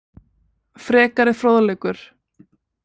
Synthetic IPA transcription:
fɾɛːkaɾɪfɾoːwðlɛːkʏɾ̥

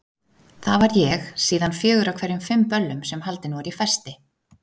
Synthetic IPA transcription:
θavaɾjɛxsiːðanfjœːɣʏɾawkʰv̥ɛɾjʏmfʏmpœlːʏmsɛmhal̪t̪ɪnvɾifɛst̪ɪ

